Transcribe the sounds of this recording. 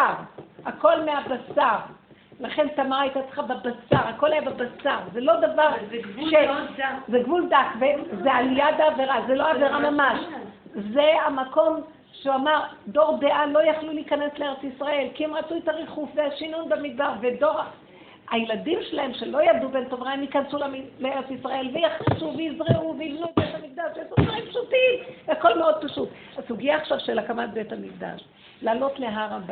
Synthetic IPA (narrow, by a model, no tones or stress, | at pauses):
aʁako̞lmeabasaʁ | laχe̞nt̪amaʁajt̪at͡sχababasaʁako̞lajababasaʁzelo̞d̪avaʁʃezeɡvuld̪akvezealijad̪aːveʁazeloaːveʁamamaʃ | zeamako̞m | ʃeuamaʁdo̞ʁdeʔalo̞jaχluliikane̞sleeʁet͡sisʁae̞lkiemʁat͡suet̪aʁeχufveaʃinunbemid̚baʁve̞do̞ʁ | ajeladimʃelahe̞mʃe̞lo̞jabd̪ubentovʁajemjikansulamilee̞ʁet͡sisʁae̞lvejaχisuvejizʁeʔuvejivnubethamik̚d̪aʃeasudvaʁimpʃutimako̞lmeo̞d̪̚paʃut | asuɡijaːχʃavʃelakamat̚be̞thamikd̪a̰ʃ | laːlo̞tle̞ɦaʁaba